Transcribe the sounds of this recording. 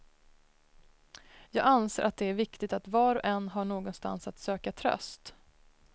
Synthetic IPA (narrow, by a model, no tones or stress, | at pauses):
jɑːɡansḛːɾat̪̚d̪ɛæɾvɪkt̪ɪɡt̪at̪vɑːɾɔʔɛnːɦaɳoːɡɔnst̪a̰nsat̪søːkat̪ʰɾœ̰st̪